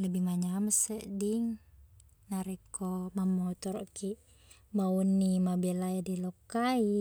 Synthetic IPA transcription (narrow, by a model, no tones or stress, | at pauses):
ləbihmaɲaməsəʔdiŋ | naɾɛkomamɔt̪ɔɾɔʔkiʔ | maunːimabɛlaadilokai